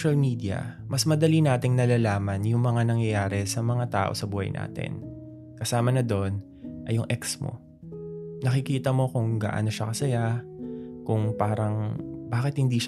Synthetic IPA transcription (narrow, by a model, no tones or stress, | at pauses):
ʃɐlmiːd̪ɪɐ̰mɐsmɐd̪ɐlinaːt̪ɪŋnɐlaːlaːmɐnjʊŋmɐŋanɐŋjɐjaːɾɛsɐmɐŋat̪a̰ːʔo̞̰sɐbuːhɐ̰jnʔa̰ːt̪ɪ̰n | kɐsaːmɐnɐd̪on | ʔɐjʊŋʔɛksmo̰ | nɐkɪkiːt̪ɐmo̞kʊŋɡa̰ːʔa̰no̞ʃɐkɐsɐja | kʊŋpaːɾɐŋbaːkɪt̪̚hɪnd̪iːʃ